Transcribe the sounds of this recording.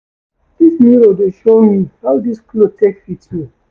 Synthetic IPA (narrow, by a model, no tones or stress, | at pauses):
d̪̥ismiɹodeʃomihawdisklotʰekfitju